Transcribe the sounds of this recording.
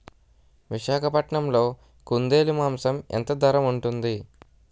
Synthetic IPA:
ʋiʃaːkʰɐpɐʈɳɐmlo̞ː | kund̪e̞ːlimaːmsɐment̪ɐd̪ʱɐɾɐmuɳʈund̪i

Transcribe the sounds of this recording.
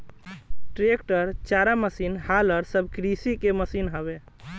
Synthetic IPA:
ʈɾekʈəɾt͡ʃaɾaməsinhaləɾsəbʱkɾisikeməsinɦəbe

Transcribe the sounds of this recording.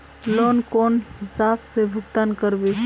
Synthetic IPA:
loːnkoːnɦɪsaːbsebʱʊɡt̪aːnkəɾbe

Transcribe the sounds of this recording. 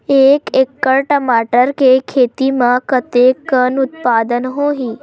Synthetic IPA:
eːkekːəɽʈəmaːʈəɾkekʰeːt̪imãkət̪ekːənut̪paːd̪ənɦoɦiː

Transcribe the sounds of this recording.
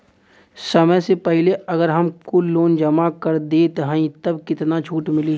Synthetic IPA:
sɐməjsepɛɦleɐɡəɾɦɐmkoloːnd͡ʒəmakɐɾd̪eːt̪ɦə̃ĩt̪ɐbkɪt̪nat͡ʃʰuːʈmɪli

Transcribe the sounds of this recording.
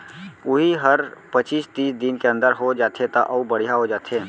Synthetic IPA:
ʊɦiɦəɾpət͡ʃiːst̪iːsd̪ɪnkeə̃nd̪əɾɦod͡ʒaːt̪ʰet̪aʔɐubəɽ̤ijaɦod͡ʒaːt̪ʰeː

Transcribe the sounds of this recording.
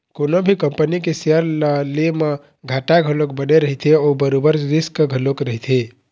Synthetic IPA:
konobʱikəmpənikeseəɾləleme | ɡʱaʈaɡʱəlok̚bəneɾəɦit̪ʰeoːbəɾobəɾɾɪskɡʱəlokɾəɦit̪ʰe

